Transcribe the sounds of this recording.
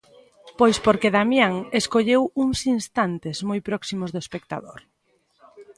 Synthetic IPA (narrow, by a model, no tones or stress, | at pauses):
pojspoɾkeðamjaŋeskoʎewuŋsinst̪ant̪ezmojpɾɔksimʊzðoespek̚t̪a̰ðoɾ